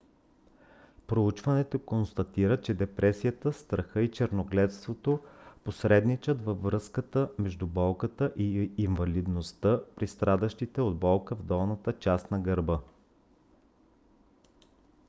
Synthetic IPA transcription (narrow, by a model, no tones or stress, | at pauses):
pɾout͡ʃvɐnɛt̪okonst̪ɐt̪iɾət͡ʃɛd̪ɛpɾʔɛsijət̪əst̪ɾɐxɤit͡ʃɛɾnoɡlɛt̪st̪vot̪oposɾɛd̪nit͡ʃət̪vɐvɾɤskət̪əmɛʒd̪ubɔlˠkət̪əʔiːɱvɐlid̪nost̪əpɾist̪ɾad̪əʃt̪it̪ɛod̪bɔlˠkəvd̪ɔlˠnət̪ət͡ʃast̪nɐɡəɾbɤ